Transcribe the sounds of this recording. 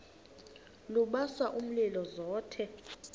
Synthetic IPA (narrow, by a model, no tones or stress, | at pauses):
luɓaswaʔum̩lilɔzɔːtʰɛ